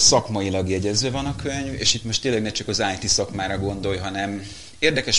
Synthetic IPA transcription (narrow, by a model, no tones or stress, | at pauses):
sɒkmɒjilɒɡjɛɟɛzʋøvɒnɒkʰøɲvḛːʃit̪mo̞ʃt̪eːnlɛɡnɛt͡ʃɒkɒzaːjt̪isɒkmaːɾɒɡo̞nd̪o̞jɦɒnɛm | eːrd̪ɛkɛʃ